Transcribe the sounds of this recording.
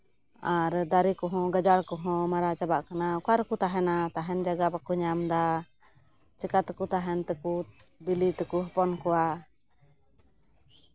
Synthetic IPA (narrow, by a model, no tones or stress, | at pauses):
aɾd̪aɾikɔɦɔ̃ɡad͡ʒaɽkɔɦɔ̃maɾat͡ʃabaʔkanakaɾkut̪aɦɛnat̪aɦɛnd͡ʒaɡabakuɲamd̪a | t͡ʃɛkat̪kut̪aɦɛnt̪ɛkubilit̪ɛkuɦɔpɔnkɔwa